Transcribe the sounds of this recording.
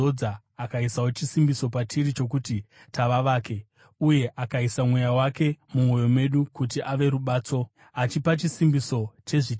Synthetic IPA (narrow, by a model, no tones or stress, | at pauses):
oaː | kaisawot͡ʃisimbiso̞patiɾit͡ʃo̞k̬uti | taʋaʋaːke̞ | uje̞ʔakaisamwe̞jawake̞mumo̞jo̞mwe̞ɗukut̬iʔaʋe̞ɾuɓaːt͡so̞ | at͡ʃipat͡ʃisimbiso̞t͡ʃe̞ʐit͡ʃ